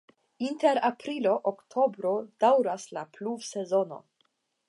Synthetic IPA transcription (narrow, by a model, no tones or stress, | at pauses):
inte̞ɾapɾilo̞ʔoktʰo̞bɾo̞d̥awɾaslapluvse̞zo̞no̞̰